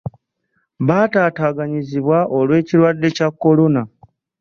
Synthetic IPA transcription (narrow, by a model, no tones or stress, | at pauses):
βaːtaːtaːɡaɲiziβwaʔo̞lwe̞ːciɾwadːe̞cakːo̞lo̞na